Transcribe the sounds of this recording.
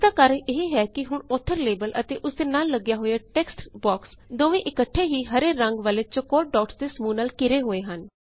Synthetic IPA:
d̪aːkəɾʔeɦeɦɛːkɪɦʊɳoːt̪ʰːəɾleːbəlʔət̪eːʔʊsd̪eːnaːlːəɡjaːɦoːjaːʈɛːksʈbɔːks | d̪oːʋẽːʔɪkəʈʰːeːɦiːɦəɾeːɾəŋɡʋəːleːt͡ʃəkoːʈ̚ɖɔːʈsd̪eːsmuːnaːlkɪɾeːɦoːeːɦən

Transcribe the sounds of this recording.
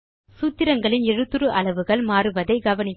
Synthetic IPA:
suːt̪ːɪɾɐŋɡɐɭɪnɛɻɯt̪ːɯɾɯʔɐɭɐʋɯɣɐɭmaːɾɯʋɐðɐɪɡɐʋɐnɪt

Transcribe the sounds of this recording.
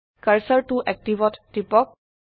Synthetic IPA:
kəɹsəɹʈuʔɛk̚tibɔtːipɔk̚

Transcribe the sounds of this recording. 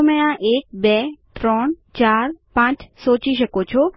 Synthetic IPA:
mɛ̃ãʔek̚bɛt̪ɾɔɳ | t͡ʃaɾpãt͡ʃsot͡ʃiʃəkot͡ʃʰo

